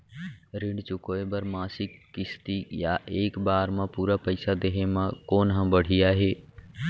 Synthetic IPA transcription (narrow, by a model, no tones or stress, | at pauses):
ɾɪɳɖt͡ʃʊkoːebəɾmaːsɪkːɪst̪ijaʔeːkbaːɾmãpuːɾapɐɪsad̪eɦemãkoːnɦãbəɽ̤ijaɦeː